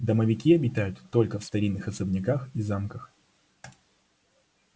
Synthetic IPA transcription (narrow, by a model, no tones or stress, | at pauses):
d̪əməvʲɪkʲiɐbʲɪt̪ajʊt̪ːo̞lʲkəfst̪ɐɾʲinːɨxɐsəbnʲɪkaxizamkəx